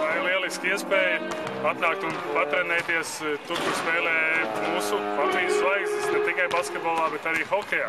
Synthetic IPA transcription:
vajlˠiɛlˠiskiɛəspeːjə | at̪naːk̚t̪unvat̪ɾɛnɛjt̪iɛst̪ut̪̚kuspɛːlʲɛːmuːsupat̪ziːzslˠajkst̪esnɛt̪ikajbaskʲet̪̚bolˠaːbɛt̪aɾiːxɔkʲɛjaː

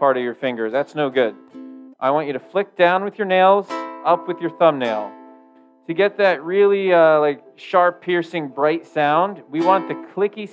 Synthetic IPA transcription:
pʰɑɹɾʌvjə˞fɪ̃ŋɡə˞zðætsnoʊɡʊd̥ʔaɪwɑ̃nt͡ʃɨɾɨflɪk̚d̥ãʊ̃nwɨðjə˞neɪlˠzʌpwɨðjə˞θʌ̃mneɪlˠ | tʰɨɡɛt̪̚ðɨt̚ɹɪlˠiʌlaɪk̚ | ʃɑɹpʰːɪɹsɪ̃ŋbɹaɪtsãʊ̃nd̚wiwɑ̃nðɨkʰl̥ɪki

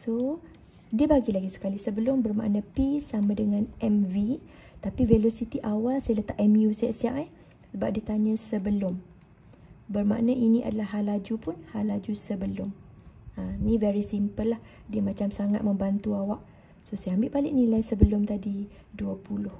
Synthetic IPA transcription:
so | diəbaɡilaɡisə̥kalisəbəlʊmbərma̰ʔnãpisamãdəŋãnɛmvi | t̪apivelosit̪iʔawalsajaələt̪aʔɛmjusajaʔsia̰ʔa | səbap̚diət̪aɲə̃səbəlʊm | bərma̰ʔnə̃ʔinĩʔa̰dalahɦalad͡ʒupʊnhalːad͡ʒusəbəlʊm | ə̃nĩvɛɾisimpəlːah | diəmãt͡ʃamsaŋat̪̚mə̃mbant̪uawaʔ̚ | sosajambɪʔbalɪʔ̚nilajsəbəlʊmt̪adi | duəpulʊh

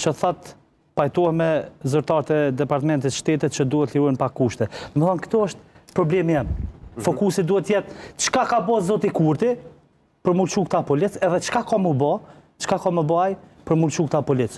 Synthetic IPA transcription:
t͡ʃəθat̪ | pajt̪ɔɛmɛzyɾt̪aɾt̪ɛd̪ɛpaɾt̪mɛnt̪it̪ʃt̪ɛt̪it̪̚t͡ʃəd̪uhɛt̪liɾɔjnpakːuʃt̪ɛnəmɛθɔnkt̪ɔɔʃt̪̚pɾɔblɛmjɛmfɔkusid̪uhɛt̪ːjɛt̪t͡ʃkakabɔzɔt̪ikuɾt̪i | pəɾmuɾt͡ʃukt̪apɔlit͡sɛðɛt͡ʃkakɔməbɔt͡ʃə̥kakɔməbajpəɾmult͡ʃuk̚t̪apɔlit͡s

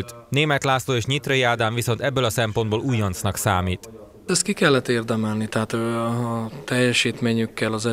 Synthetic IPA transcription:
lt̪ | neːmɛt̪laːsloːeːʃɲit̪rɒjiaːd̪aːɱviso̞n̪t̪ɛbːølɒsɛmpo̞nd̪boːluːjɒnt̪snɒksaːmiːt̪ | ɛst̪kikɛlːɛt̪ːeːrd̪ɛmɛlnit̪ɛɦaːt̪ː | t̪ɛjːɛʃiːt̪meːɲykːɛlɒzɛ

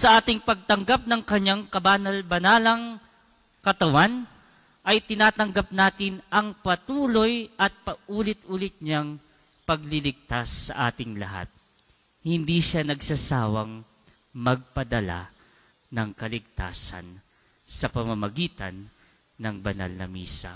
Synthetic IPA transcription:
sɐʔaːt̪ɪŋpɐɡ̚t̪ɐŋɡap̚nɐŋkɐɲaŋkɐbaːnɐlbɐnaːlɐŋ | kɐt̪ɐwan | ʔɐjt̪ɪnaːt̪ɐŋɡap̚naːt̪ɪnʔɐŋpɐt̪uːlo̞jʔɐt̪̚pɐʔuːlɪt̪ʔuːlɪt̪̚ɲaŋ | pɐɡlɪlɪɡ̚t̪asːɐ̰ʔaːt̪ɪŋlɐɦa̰t̪̚ | hɪnd̪iʃanɐɡsɐsaːwɐŋ | mɐɡ̚pɐd̪ɐla̰ | nɐŋkɐlɪɡ̚t̪a̰ːsɐ̰n | sɐpɐmɐmɐɡiːt̪ɐ̰nː | ɐŋbɐna̰lnɐ̰mḭːsɐ̰

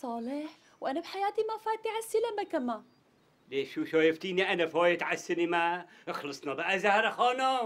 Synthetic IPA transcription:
sˤɑːlɪħ | wʔanabħajaːt̪imafaːjt̪ʕasːilamakama | leːʃuːʃoːjɪft̪iːniʔanafoːjɪt̪ʕasːɪnima | ʔxlɨsˤnɑbaʔazahɾˤɑxoːno

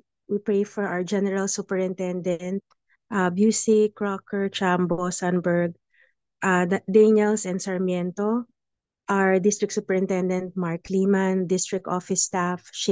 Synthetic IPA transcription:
wipɹejfɔɹʔawəd͡ʒɛnɛɹalsupɛɹɪ̃nt̪ɛnd̪ɛnt̪̚ | ʔabjusikɹɔkɛɹt͡ʃambosanbɛɹɡ̚ | ʔad̪ɛnɛlsɛ̃nd̪sɐɹmjɛnt̪o | ʔaɹd̪ɪst̪ɹɪk̪̚suːpɛɹɪ̃nt̪ɛnd̪ɛnt̪̚maɹkʰliːmand̪ɪst̪ɹɪk̚t̪ʔofɪst̪afʃ

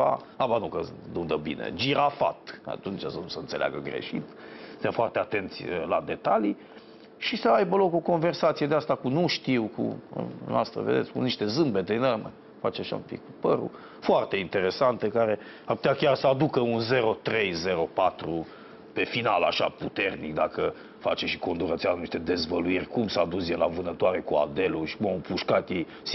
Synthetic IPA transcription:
a̰ | abanukəd̪und̪əbḭnḛd͡ʒiɾafa̰t̪a̰t̪unt͡ʃasənusəɨnt̪se̞lea̰ɡəɡɾḛʃit̪ | st̪jamfoart̪eat̪e̞nt̪sʲəlad̪e̞t̪ali | ʃisəajbəlo̞ko̞ko̞nve̞rsat̪sijed̪east̪akumnuʃt̪iwkṵno̰ʔast̪ɾə̰ved̪et̪sʲkuniʃt̪e̞zɨmbe̞t̪enərmə̰ | fat͡ʃeaʃa̰ṵmpḭkupəɾṵ | foart̪e̞int̪e̞ɾe̞sant̪əkaɾe̞ | arpu̥t̪ʲakʲarsəad̪ukəunze̞ɾo̞t̪ɾe̞jze̞ɾo̞pat̪ɾu | pe̞finala̰ʃa̰put̪e̞rnikd̪akə | fa̰t͡ʃeʃi̥ko̞nd̪uɾət̪siazniʃt̪e̞d̪e̞zvəluirʲkumsaːd̪us̬jela̰vɨnət̪oaɾekua̰d̪e̞luʃi̥kumaupuʃkat̪je | s

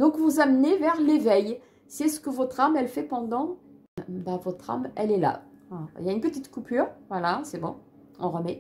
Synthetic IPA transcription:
d̪ɔ̃kvuzamnevɛʁlevɛj | siɛsə̥kəvɔt̪χamɛlfɛpɑ̃d̪ɑ̃ | bavɔt̪χa̰mɛlɛla̰iljaynpət̪it̪kupʰyːʁvwalasɛbɔ̰̃ | ɔ̃ʁəmɛ

